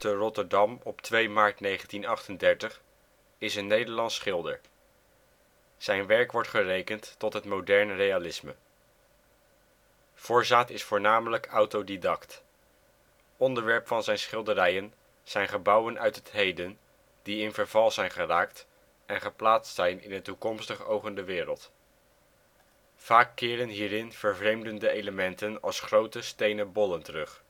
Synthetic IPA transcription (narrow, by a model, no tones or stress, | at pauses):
tərɔtəɹdɑmɔptʋejmaːɹtnejχəntinɑχtəndɛɹtəχ | ɪsənːejdəɹlɑnsːχɪlˠdə̰ɹ | z̥ɛjnʋɛɹkʋɔɹtχərejkəntːɔtɦətmodɛɹnrejalɪsmə | v̥ʊːɹzaːtɪsfʊːɹnaːmələkʌwtowdidɑkt | ɔndəɹʋɛɹpfɑnzɛjnsχɪlˠdərɛjən | z̥ɛjnχəbʌwənʔœɥtɦətɦejdən | d̥iɪnvəɹv̥ɑlˠzɛjnχəraːkt | ɛnχəplaːtstsɛjnɪ̰nətukɔmstəχowχəndəʋɪːɾəlˠt | v̥aːkːɪːɾənɦiːɾɪnv̥əɹvrejmdəndəejləmɛntənɑ̰lˠsχrowtəstejnəbɔləntərɵχ